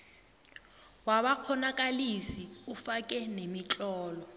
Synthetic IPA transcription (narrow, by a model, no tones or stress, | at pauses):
waɓak͡xʰɔnak̬ʼalisiufakʼɛnemit͡ɬʼɔːlɔ